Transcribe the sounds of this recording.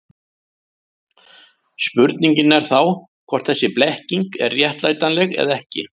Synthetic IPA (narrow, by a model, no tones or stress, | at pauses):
spʏɾt̪niɲcɪnɛɾ̥θaw | kʰvɔr̥t̪θɛsːɪplɛhciŋkɛ̰rːjɛht̪lajt̪anlɛɣɛ̰ðɛhcɪ̰